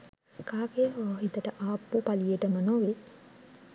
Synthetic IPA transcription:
kaːkejəʋaːɦit̪əʈəʔaːpːupalijəʈəmənoːʋe

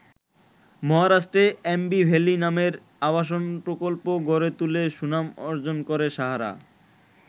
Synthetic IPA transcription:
mɔɦaɾaʃʈɾeembibʱelinameɾ | abaʃ̬onpɾokolpoɡoɾet̪uleʃunamɔɾd͡ʑonkoɾeʃaɦaɾa̰

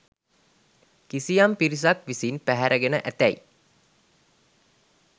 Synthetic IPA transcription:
kisijampiɾis̬akʋisinpæɦæɾʔəɡenəʔæt̪æi

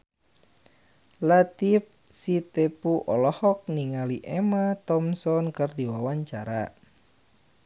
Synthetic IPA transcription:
lat̪if̚ | sit̪epuʔɔlɔhɔk̚niŋaliʔɛmat̪ɔmsɔnkɨrdiwawaɲt͡ʃaɾa

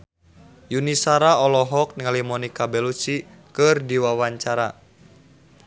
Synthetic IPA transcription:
junisaɾaɔlɔɦɔk̚niŋalimɔnikabɛlut͡ʃi | kɨrdiwawaɲt͡ʃaɾa̰

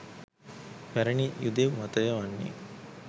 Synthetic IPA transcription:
pæɾɐɳijud̪emɐt̪ɐjɐʋɐnːḛ

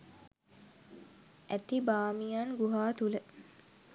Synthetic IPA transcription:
æt̪ibaːmijanɡuɦaːt̪ulə

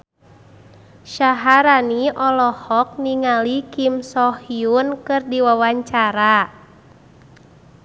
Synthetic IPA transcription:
ʃaɦaɾaniʔɔlɔhɔk̚niŋalikimsɔhiunkɨrdiwawaɲt͡ʃaɾa

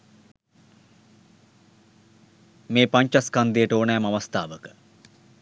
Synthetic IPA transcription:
meːpaɲt͡ʃaskand̪ijəʈoːnɛːmaʋɐst̪aːʋəkə̥

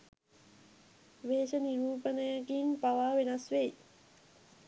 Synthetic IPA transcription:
ʋeːʃəniɾuːpənəjəkimpaʋaːʋenɐsʋei

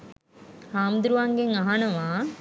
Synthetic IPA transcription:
haːmd̪ɾuʋaŋɡeŋaɦanɐʋaː

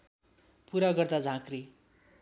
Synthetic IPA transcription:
puɾaɡʌrd̪ad͡zʱãkri

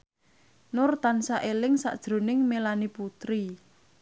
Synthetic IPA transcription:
nʊrt̪ansaʔelɪŋsa̰ʔd̥ʒ̥ɾo̤nɪŋmelaniput̪ɾi

